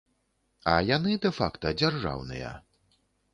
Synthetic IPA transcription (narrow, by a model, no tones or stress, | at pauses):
ɐjanɨd̪ɛfa̰kt̪ɐd͡zʲarʐa̰wnɨ̰jɐ̰